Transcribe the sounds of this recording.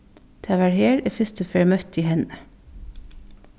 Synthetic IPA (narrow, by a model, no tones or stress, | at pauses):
t̪ʰɑːʋæɹheːɹeːfʏst̪əfeːɹmœt̪iːhɛnə